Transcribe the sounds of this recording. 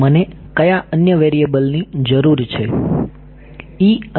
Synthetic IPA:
məne | kəjaʔənjəʋeɾiebəlnid͡ʒəɾuɾt͡ʃʰe | i

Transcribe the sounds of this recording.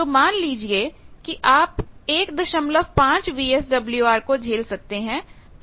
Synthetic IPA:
t̪omaːnliːd͡ʒiekiʔaːpeːkd̪ɐʃəmləʋpãːt͡ʃʋiːɛsɖɐbljuaːɾkod͡ʒʱeːlsɐk̚t̪eɦɛ̃ː | t̪

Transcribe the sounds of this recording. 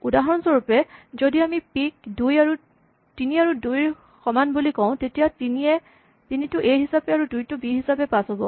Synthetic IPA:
udaɦɔnsɔɹupɛzodiamipik̚dujaɹu | tiniaɹudujɹ | xɔmanbulikɔ̃wʊ̃tetijatiniɛ | tinitʊʔejɦisapɛaɹudujtʊbiɦisapɛpasɔbɔ

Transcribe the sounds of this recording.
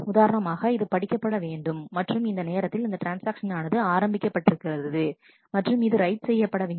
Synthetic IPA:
ʊðaːɾɐnɐmaːɣɐɪðɯpɐɽɪkːɐpːɐɽɐʋeːɳɖɯmːɐʈrɯmɪnd̪ɐneːɾɐt̪ːɪlɪnd̪ɐʈɾaːnsaːkʂɐnaːnɐðɯaːɾɐmbɪkːɐpːɐʈːɪɾɯkːɪrɐððɯ | mɐʈrɯmɪðɯɾɐɪʈsɛjːɐpːɐɽɐʋeːɳ

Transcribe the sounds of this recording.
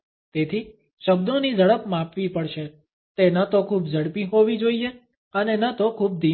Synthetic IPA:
t̪et̪ʰi | ʃəb̚d̪onid͡ʒəɭəpmapʋipəɽʃe | t̪enət̪okʰubd͡ʒəɽpiɦoʋid͡ʒoie | ənenət̪okʰub̚d̪i

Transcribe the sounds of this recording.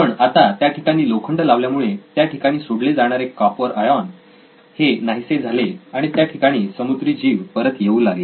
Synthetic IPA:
pəɳat̪at̪jaʈʰikaɽ̃iːlokʰəɳʈəlaʋljamuɭet̪jaʈʰikaɽ̃iːsoɽled͡zaɽ̃aɾekːapəɾajan | henaɦised͡zʱaleaɽ̃it̪jaʈʰikaɽ̃iːsəmud̪ɾiːd͡ʑiʋpəɾət̪jeuːlaɡe

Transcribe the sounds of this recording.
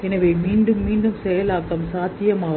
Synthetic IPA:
ɛnɐʋeːmiːɳɖɯmːiːɳɖɯmsɛjɐlaːkːɐmsaːt̪ɪjɐmaː

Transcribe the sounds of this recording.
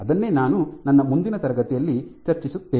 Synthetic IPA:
ɐd̪ɐnːe̞ːnaːnunɐnːɐmund̪inɐt̪ɐɾɐɡɐt̪ijɐlːit͡ʃɐɾt͡ʃisut̪ʋeː

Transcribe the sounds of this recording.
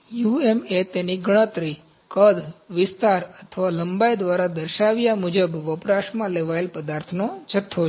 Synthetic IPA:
juemet̪eniɡəɽ̃ət̪ɾi | kəd̪ʋɪst̪aɾət̪ʰəʋaləmbajd̪ʋaɾad̪əɾʃaʋjamud͡ʒəbʋəpɾaʃmãleʋaelpəd̪aɾt̪ʰnod͡ʒʰət̪ʰːo

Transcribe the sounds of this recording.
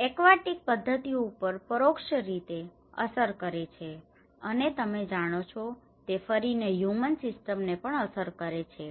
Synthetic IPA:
ekʋaʈik̚pəd̪ʱːət̪ioupəɾpəɾokʃəɾit̪e | ə̰səɾkəɾet͡ʃʰe | ənet̪əmed͡ʒaɽ̃ot͡ʃʰɔ | t̪efəɾineɦjumənsɪsʈəmnepəɳəsəɾkəɾet͡ʃʰe

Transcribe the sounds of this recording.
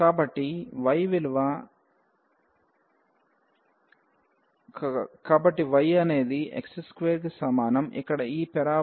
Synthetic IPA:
kaːbɐʈːiʋɐjʋilʋɐ | kaːbɐʈːiʋɐjɐne̞ːd̪iʔḛkseskʋeːɾɡsɐmaːnɐmḭkːɐɽɐiːpɛɾaː

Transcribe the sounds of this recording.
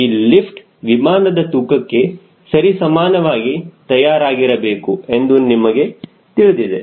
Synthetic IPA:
iːlipʈ | ʋimaːnɐd̪ɐt̪ukɐkːe̞ | sɐɾisɐmaːnɐʋaːɡit̪ɐjaːɾaːɡiɾɐbe̞ːkue̞nd̪unimɐɡe̞ | t̪iɭd̪id̪ḛ

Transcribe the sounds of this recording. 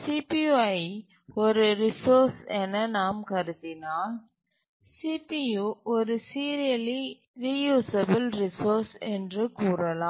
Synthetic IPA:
siːpiɐɪ | ɔɾɯɾɪsoːɾsɛnɐnaːmkɐɾɯt̪ːɪnaː | sipijuʔɔɾɯsiːɾɪjɐli | ɾijuːsɐbɪlɾɪsoːɾsɛndrɯkuːɾɐlaː

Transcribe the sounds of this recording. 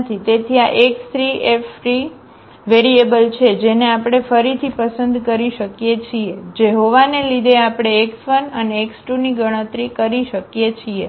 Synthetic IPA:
t̪ʰit̪et̪ʰiaʔekst̪ɾiefɾi | ʋeɾiebəlt͡ʃʰed͡ʒeneapɽ̃efəɾit̪ʰipəsənd̪kəɾiʃəkjet͡ʃʰied͡ʒeɦoʋanelid̪eapɽ̃eːksfənəneːksʈuniɡəɽ̃ət̪ɾikəɾiʃəkjet͡ʃʰie

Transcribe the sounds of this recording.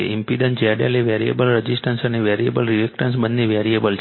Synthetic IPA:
ḛimpid̪ənd͡ʒaɽa̰leʋɛɾiḛbəlɾəd͡ʒisʈənsəneʋɛɾiebəlɾiekʈənsbənːeʋɛɾiebəlt͡ʃ

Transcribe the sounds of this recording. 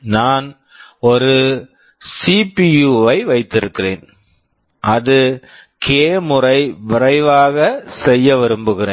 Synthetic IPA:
naːn | ɔɾɯ | sipijuːʋɐɪʋɐɪt̪ːɪɾɯkːɪrḛːn | ʔɐðɯ | kʰeːmɯrɐɪʋɪrɐɪʋaːɣɐsɛjːɐʋɪɾɯmbɯɣɪrḛː

